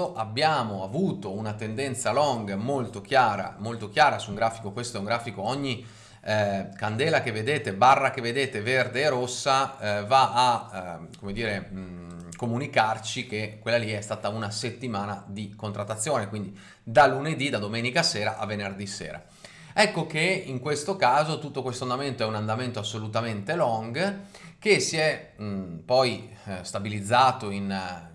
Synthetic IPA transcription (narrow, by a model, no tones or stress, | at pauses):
oʔabːjaːmoavuːt̪ounat̪end̪ɛnt̪salɔŋɡmolt̪ok̟jaːɾa̰molt̪ok̟jaːɾasuŋɡɾaːfikokwest̪oɛuŋɡɾaːfikoɔɲːi | kand̪ɛːlakevːed̪eːt̪ebarːakevːed̪eːt̪everd̪eːɾosːavaːkomed̪iːɾe | komunikart͡ʃikekwelːaliɛst̪aːt̪aunaset̪ːimaːnad̪ikont̪ɾat̪ːat̪sːjoːnekwind̪i | d̪aluned̪id̪ad̪omeːnikaseːɾaʔavːenerd̪isḛːɾa̰ | ɛkːokeiŋkwest̪okaːzot̪ut̪ːokwest̪oand̪ament̪oɛunand̪ament̪oasːolut̪ament̪elɔŋɡk̟esiɛ | pɔjst̪abilid̪zːaːt̪oin